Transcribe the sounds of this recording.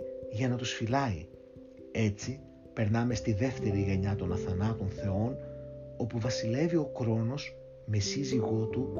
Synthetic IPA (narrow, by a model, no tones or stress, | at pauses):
ʝɐnɐt̪usfilɐi | e̞t͡si | pe̞ɾnɐme̞st̪iðe̞ft̪e̞ɾiʝe̞ɲɐt̪o̞nɐθɐnɐt̪o̞nθe̞o̞no̞puvɐsile̞vio̞kɾo̞no̞s | me̞siziɣo̞t̪u